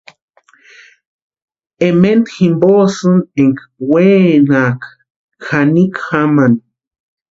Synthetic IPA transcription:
ement̪ximbosɨneŋkwenaːk | xanikxaman

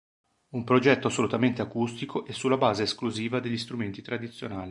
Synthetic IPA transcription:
umpɾod͡ʒɛt̪ːoasːolut̪ament̪eakust̪ikʰoʔɛsːulːabaːzeːskluziːvad̪eʎːist̪ɾument̪it̪ɾad̪it̪sːjonaːli

